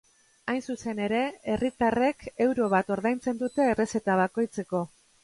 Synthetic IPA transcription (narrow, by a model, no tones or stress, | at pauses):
ajnsuse̞ne̞ɾe̞erit̪are̞ke̞wɾo̞β̞at̪o̞ɾðajnt͡se̞nd̪ut̪e̞ːre̞se̞t̪aβ̞ako̞jt͡se̞ko̞